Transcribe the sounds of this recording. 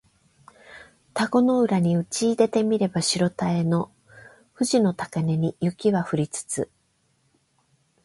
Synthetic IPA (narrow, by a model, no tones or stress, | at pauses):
t̪aɡo̞no̞ɯ̟ɾaɲ̟iɯ̟t͡ɕiːd̪e̞t̪e̞mʲiɾe̞baɕiɾo̞t̪ae̞no̞ | ɸɯ̟ʑino̞t̪akane̞ɲ̟ijɯ̟kʲiβaɸɯ̟ɾʲit͡sɨ̥t͡sɨ̰